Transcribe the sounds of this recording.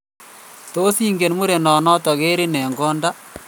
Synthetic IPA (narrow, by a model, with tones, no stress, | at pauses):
to˦si˦ŋɡe˨nmu˦ɾe˨nɔ˨nɔ˦tɔ˨ɣe˦ɾɪ˦nɛ˨ŋɡɔ˦nda˦